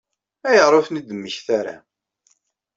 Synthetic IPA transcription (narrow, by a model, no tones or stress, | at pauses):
æjəʁˤʊfnid̪əmːəçθaɾa̰